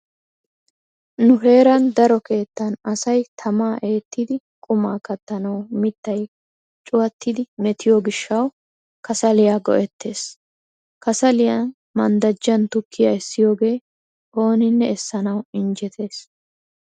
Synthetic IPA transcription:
nʊɦe̞ːɾɐnd̪ɐɾɔke̞ːt̪ːɐnɐsɐjt̪ʰɐmaːʔe̞ːt̪ːɪd̪ɪ | kʼʊmaːkɐt̪ːɐnɐwmɪt̪ːɐj | t͡ʃʼʊwɐt̪ːɪd̪ɪmɛt̪ʰɪjoːɡɪʃːɐw | kɐsɐlɪjaːɡɔ̰ʔɛt̪ʰːe̞ːs | kɐsɐlɪjɐn | mɐnd̪ɐd͡ʒːɐnt̪ʊkʰːɪjaɛsːɪjo̞ːɡe̞ː | ʔo̞ːnɪnːɛɛsːɐnɐwɪnd͡ʒɛt̪ʰe̞ːs

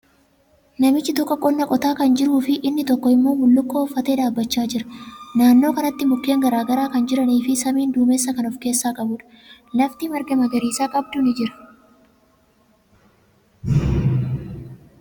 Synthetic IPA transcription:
nɐmɪt͡ʃːɪt̪ɔkːɔkʼɔnːɐkʼɔt̪aːkɐnd͡ʒɪɾuːfɪʔɪnːɪt̪ɔkːɔɪmːoːmʊlːʊkːoːɔfːɐt̪eːᶑ̪aːbːɐt͡ʃːaːd͡ʒɪɾɐ̥naːnːo̞ːkɐnɐt̪ːɪmʊkːe̞ːŋɡɐɾaːɡɐɾaːkɐnd͡ʒɪɾɐniːfɪsɐmiːnd̪uːmesːɐkɐnɔfke̞ːsːaːkʼɐbʊᶑɐ̥ | lɐft̪iːmɐɾɡɐmɐɡɐɾiːsaːkʼɐb̚d̪unɪd͡ʒɪɾɐ̥

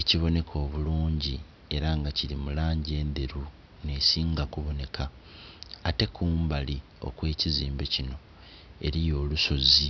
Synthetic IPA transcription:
eciβo̞ne̞kʰo̞ːβuluːɲɟi | e̞ɾaŋɡacilimulaːɲɟe̞ːnd̪e̞ɾu | ne̞siːŋɡakuβo̞ne̞kʰaː | te̞kʰuːmbali | o̞̰kwe̞ːciziːmbe̞cino̞ | e̞̰ɾijo̞ːluso̞zi

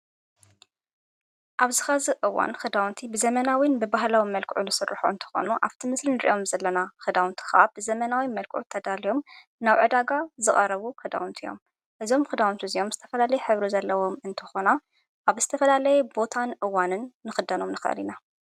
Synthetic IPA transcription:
ʔaβzɨxazɨʔɨwa̰nxɨd̪awnt̪ʰibɨzɐmɐnawinbɨbaɦlawimɐlkʰʕunɨsɨrːɨħṵʔɨnt̪ʰɨ̥xo̞̰nuʔa̰βt̪ʰimɨslinɨɾḭʔo̞mzɐlːɐnaxɨd̪awnt̪ʰi̥xa̰bɨzɐmɐnawimɐlkʰʕṵt̪ʰːɐd̪alijo̞m | naβʕɨd̪aɡazɨχʼɐɾɐβukʰɐd̪a̰wunt̪ʰijo̞̰m | ʔɨzo̞mxɨd̪awnt̪ʰizijo̞mzɨt̪ʰɐ̥fɐlalɐjɛħɨβɾizɐlːɐwo̞mɨnt̪ʰɨ̥xo̞na | ʔaβz̥ɨt̪ʰɐfɐlalɐjɛbo̞t̪ʰanʔɨwːanɨnːɨxɨd̪ɐno̞mnɨxɐ̰lina

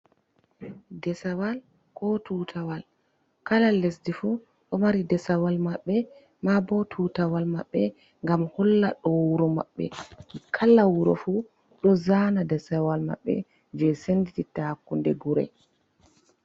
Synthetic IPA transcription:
dɛsawal | kʰɔtuːtʰawal | kalalːesdifu | ɗɔmaɾidɛsawalmaɓːɛ | mabɔtʰuːtawalmaɓːɛ | ŋɡamhɔlːaɗɔwuɾɔma̰ɓːɛ̰kʰalːawuɾɔ̰fu | ɗɔzanadɛsawalma̰ɓːɛ̰ | d͡ʒɛsendititahakːundɛɡuɾɛ̰

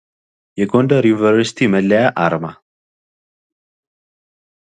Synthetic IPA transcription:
jɛɡondəɾjunvəɾsi̥t̪ʰiməlːəjaʔaɾma

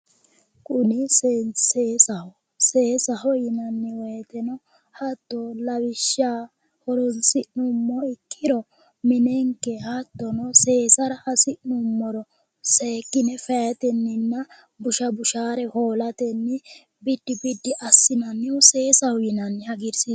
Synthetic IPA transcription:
kʼʊnɪsseːsɐhɔ | seːsɐhɔjɪnɐnːɪwɛjt̪ɛnɔ | hɐt̪ːɔlɐwɪʃːaː | hɔɾɔnsɪʔnumːɔɪkʰːɪɾɔ | mɪnɛŋkːɛhɐt̪ːɔnɔse̞ːsɐɾɐʔɐsɪʔnʊmːɔɾɔ | seːkʼːɪnɛfɛjɐt̪ɛnːɪnːɐ | bʊʃɐbʊʃaːɾɛhoːlɐt̪ɛnːɪ | bɪd̪̥ːɪbɪd̪ːɪʔɐsːɪnɐnːɪʊseːsɐhɔjɪnɐnːɪhɐɡɪɾsi

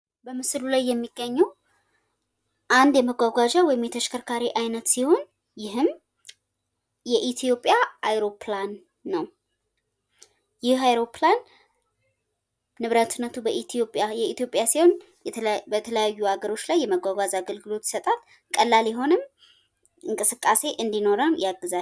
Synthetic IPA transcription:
bəmɨslulajːɛmːiɡːəɲːɛw | ʔand̪jɛməɡʷaɡʷaʒawɔjɪmjɛt̪ʰəʃkʰəɾkʰaɾiʔajnət̪siho̞n | jɪɦɨm | jɛʔit̪ʰijo̞pʼjaʔajɾo̞planː | əw | jɪhajɾo̞plan | ɨβɾət̪ɨnːət̪ʰubəʔit̪ʰijo̞pʼjajɛit̪jo̞pʼjasiho̞n | bət̪ʰələjajːuaɡəɾo̞t͡ʃːlajːɛməɡʷaɡʷazaɡəlɡɨlo̞t̪ji̥sət̪ʼal | kʼəlːaljɛɦo̞nɨm | ɨŋkʼɨsɨkʼːase̞ʔɨnd̪ino̞ɾənjaɡːɨza

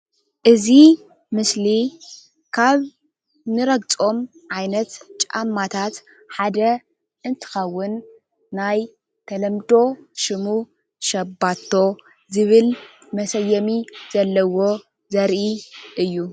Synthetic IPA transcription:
ʔɨzi | mɨsli | kʰaβ | nɨɾɐɡt͡sʼo̞mʕajnɐt̪t͡ʃʼa̰mːat̪ʰat̪ | ħad̪ɐ | ʔɨnt̪ʰɨ̥xɐwːʊnː | aj | t̪ʰɐlɐmd̪o̞ʃɨmu | ʃɐbːat̪ʰːo̞ | zɨβɨl | mɐsɐjːɐmiz̥ɐlːɐwo̞ | zɐɾʔiʔɨjːu

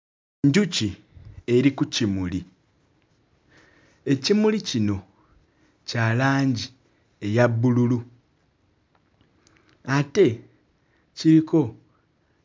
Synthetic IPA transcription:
ɲɟuci | e̞ɾikucimuli | e̞cimulicino̞ | calaːɲɟi | e̞jaβːululu | ate̞ | ciɾiko̞

